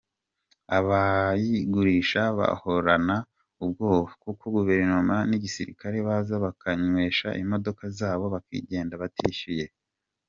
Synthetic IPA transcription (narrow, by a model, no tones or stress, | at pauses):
aβajiɡuɾiːʃaβa̰ho̞ɾana | ub̚ɡo̞ːβokuko̞ɡuve̞ɾnomaniɟisḭɾḭkaɾe̞βazaβakaɲwe̞ːʃa̰ʔḭmo̞do̞kazaːβo̞βakḭːɟe̞ːndaβatʰiːʃije̞